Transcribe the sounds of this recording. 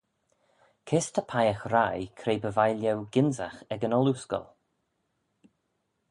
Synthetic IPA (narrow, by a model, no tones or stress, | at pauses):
kʰɪst̪ʰəpʰajaxɾajkʰɾejbəvajljɛwɡ̥ɪnzaxɛɡənɔluskɔ̰lˠ